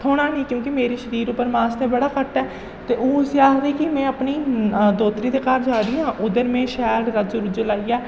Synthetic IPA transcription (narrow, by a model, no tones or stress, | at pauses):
t̪ʰoːɽ̃aːnĩːkjõːkɪmeːɾiːʃəɾiːɾʊpːəɾmaːst̪ẽːbəɽaːkəʈːɛː | t̪eːʔoːsjaːɦd̪iːkɪmɛ̃ːəpniːd̪oːt̪ɾiːd̪eːkaːɾd͡ʒaːɾijãːʔʊd̪əɾmẽːʃɛːɾɾəd͡ʒʊɾd͡ʒəlaːiːɛː